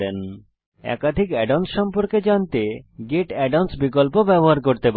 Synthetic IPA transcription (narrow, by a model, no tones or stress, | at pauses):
en | ɛ̰kad̪ʱikɛɖawnsʃɔmpoɾked͡ʑant̪eɡeʈɛɖawnsbikolpobɛboɦaɾkoɾt̪ep